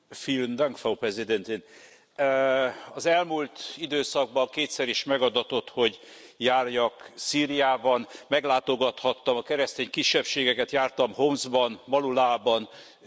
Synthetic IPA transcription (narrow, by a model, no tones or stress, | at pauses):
filnd̪aŋkfowprɛzid̪ɛnt̪in | ɒzɛlmult̪id̪øːsɒɡ̚bɒŋkeːt̪sɛɾiʃmɛɡɒd̪ɒt̪o̞t̪ho̞ɟ | jaːrjɒksiːɾijaːbɒnmɛɡlaːt̪o̞ɡɒt̪hɒt̪ːɒmɒkɛɾɛst̪eːɲkiʃːɛpʃeːɡɛkɛt̪jaːrt̪ɒmhomzbɒnmɒlulaːbɒn